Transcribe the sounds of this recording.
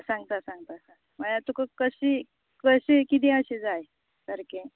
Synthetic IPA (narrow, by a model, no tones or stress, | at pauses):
sãŋɡt̪asãŋɡt̪asã | məlat̪ukəkəɕi | kəɕikit̪̬ĩəɕed͡zaj | səɾkẽ